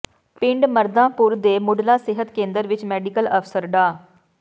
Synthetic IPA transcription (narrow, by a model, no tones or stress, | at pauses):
pɪ̃ɳɖməɾd̪ãːpʊɾd̪eːmʊɖlaːsɪɦət̪kẽːnd̪əɾʋɪt͡ʃmɛːɖɪkələpʰsəɾɖaː